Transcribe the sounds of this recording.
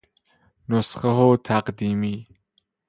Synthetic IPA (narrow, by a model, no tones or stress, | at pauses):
nʊsχəɦot̪ʰaqd̪iːmiː